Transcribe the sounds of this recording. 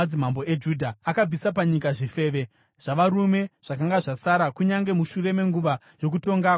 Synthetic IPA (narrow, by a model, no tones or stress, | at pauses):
d͡zimambo̞ed͡ʒudʱaːkab͡visap̬aɲikaʐife̞ːʋe̞ | ʐ̥aʋaɾume̞ʐ̥akaŋɡaʐasaɾakuɲaŋɡe̞muʃure̞me̞ŋɡuʋa | ʐo̞k̬uto̞ŋɡa